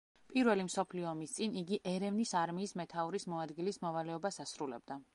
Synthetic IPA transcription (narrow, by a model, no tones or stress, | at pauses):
pʼiɾvɛlimsɔpʰliɔːmist̪sʼiniɡiʔɛɾɛvnisaɾmiːsmɛt̪ʰauɾismɔad̪ɡilismɔvalɛɔbasasɾulɛ̰b̚d̪a